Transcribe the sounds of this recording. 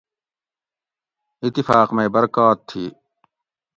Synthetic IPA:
ɪt̪ːifaːqmẽːbɐɾkaːt̪ʰːiː

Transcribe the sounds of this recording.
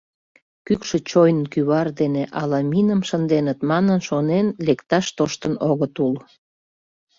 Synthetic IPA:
kykʃet͡ɕojnənkyβɑrd̪eneʔɑlɑminəmʃənd̪enət̪mɑnənʃonenlekt̪ɑʃt̪oʃt̪ənoɣət̪ul

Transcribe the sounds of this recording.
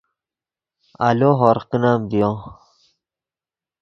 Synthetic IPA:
a̰loɦoɾqinaːmbijõ

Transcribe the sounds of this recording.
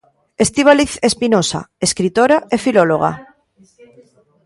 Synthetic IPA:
est̪iβ̞aliθespinosa̰eskɾit̪oɾaefiloloɣa̰

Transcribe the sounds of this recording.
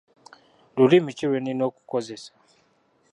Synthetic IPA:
dulimit͡ʃiɾɛninɔku̥kɔzɛsḁ

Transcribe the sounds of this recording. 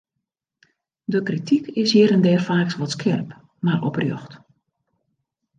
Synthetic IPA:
dəkritʰikʰɪshiːɾəndɛːrfaːksʋɔtskʰɪrp | marʔɔ̰prjøxt

